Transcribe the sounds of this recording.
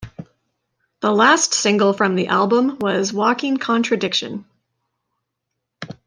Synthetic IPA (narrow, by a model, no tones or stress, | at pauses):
ðəlæstsɪ̃ŋɡl̩ˠfɹʌ̃mðiʔælˠbə̃mwʌzwɔkɪ̃ŋkʰɑ̃nt͡ʃɹ̥ɨdɪkʃɨ̰̃n